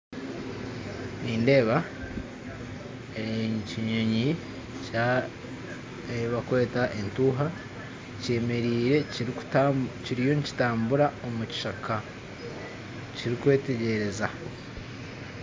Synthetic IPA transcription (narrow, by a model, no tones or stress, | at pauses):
niːnde̞ːβa | eɲciɲoɲi | ca | eβakwe̞ːtaʔentuːɦa | ce̞ːme̞ɾiːɾe̞ | ciɾijo̞nici̥taːmbuɾao̞muci̥ʃakʰa | ciɾikwe̞ːte̞ɟe̞ɾe̞za